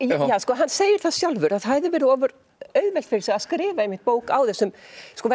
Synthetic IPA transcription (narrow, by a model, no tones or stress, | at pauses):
jaːskɔːɦanːseːjɪɾ̥θaðsjawlvʏɾaðhaɛðʏvɛːɾʏɔːvʏɾ | œːɥðvɛlt̪fɪɾɪ̥ɾsɛɣaskɾɪːvaejmɪht̪̚poːwkawθɛsːʏmskɔvɛ